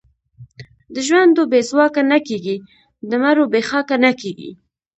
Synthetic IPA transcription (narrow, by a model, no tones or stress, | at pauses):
d̪əʒwand̪obezwɑkanakeɡi | d̪əmaɾobexɑkanakeɡḭ